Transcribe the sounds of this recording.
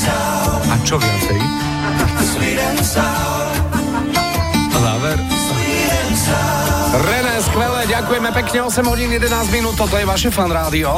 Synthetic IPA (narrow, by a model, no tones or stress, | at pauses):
ʔat͡ʃɔvɪat͡sɛɾi | zaːʋɛɾ | ɾɛnɛsxlɛlɛɟakujɛmɛpɛkɲɛɔsɛmɦɔɟiːnjɛd̪ɛnaːzɟminuːt̪̚ːɔt̪ɔjɛʋaʃɛfanɾaːd̪iɔ